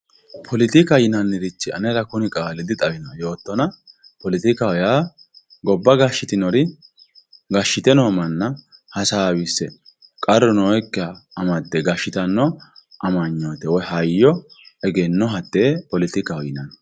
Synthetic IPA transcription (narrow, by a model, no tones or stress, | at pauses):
pʰɔlɪt̪ɪkɐjɪnɐnːɪɾɪt͡ʃːɪɐ̰nɛɾɐkʊnɪkʼaːlɪd̪ɪt̪ʼɐbɪnɔjo̞ːt̪ːɔnɐ | pɔlɪt̪ɪkɐwɔjaː | ɡɔbːɐɡɐʃːɪt̪ɪnɔɾɪ | ɡɐʃːɪt̪ɛnoːmɐnːɐ | hɐsaːwɪsːɛ | kʼɐɾːɔnoːɛkːɪaːmɐt̪ːɛɡɐʃːɪt̪ɐnːɔʔɐmɐɲːoːt̪ɛwɔjhɐjːɔɛɡɛnːɔɦɐt̪ːeːpɔlɪt̪ɪkɐwjɪnɐn